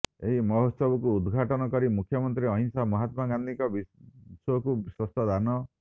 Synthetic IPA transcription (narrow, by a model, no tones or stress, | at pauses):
eɦimɔɦosɔbɔkuːd̪ɡʱaʈɔnɔkɔɾimukʰjɔmɔnt̪ɾiɔɦinsamɔɦat̪maɡand̪ʱikɔbisɔkuiswɔst̪ʰɔd̪anɔ